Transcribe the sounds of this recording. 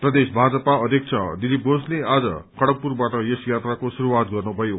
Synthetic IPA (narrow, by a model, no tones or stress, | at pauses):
prʌd̪esbʱad͡zʌpaʌd̪ʱjʌk̚t͡sʰʌd̪ilip̚ɡoslead͡zʌ̰kʌɽʌk̚purbaʈʌjesjat̪rakosuɾuwat̪̚ɡʌrnubʱʌjo